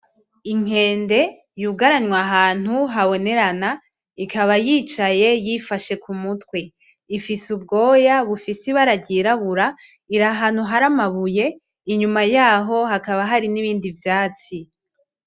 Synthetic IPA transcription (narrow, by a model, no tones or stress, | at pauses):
iŋ̥e̞ːnde̞ | juɡaɾaɲwaɦaːn̥huɦaβo̞ne̞ɾana | ikʰaβajiːt͡ʃaje̞jifaʃe̞kʰumutwe̞ | ifisub̚ɡo̞ːjaβufisiβaɾaɟiɾaβuɾa | iɾaɦan̥uɦaɾamaβuje̞ | iɲumajaːɦo̞hakaβaɦaɾiniβiːndivjaːt͡si